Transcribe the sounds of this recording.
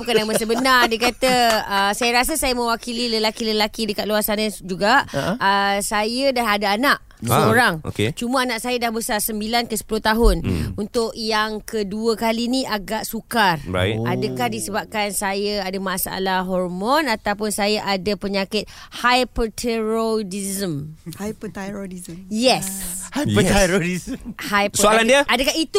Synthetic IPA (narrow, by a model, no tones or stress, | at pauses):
bukanaməsəbənardekat̪əəsajaɾasasajəmə̃wakililəlakiləlakidəkat̪̚luarsanad͡ʒuɡaʔəsajədanadaːnaʔ | səoɾaŋo̰ket͡ʃuməanaʔsajadahbəsarsəmbilankəsə̥pulʊht̪aɦʊnunt̪ʊʔjaŋkəduəkaliniʔaɡaʔsukarba̰ḭadakahdisəbap̚kansajəadamãsaa̰laɦɔrmɔnat̪awpʊnsajaʔadapəɲakɪt̪̚hajpət̪ʰeɾodizəmhajpət̪aɾodizəjɛshaəaɾoɾizəmhajpsoalandiəadakahit̪u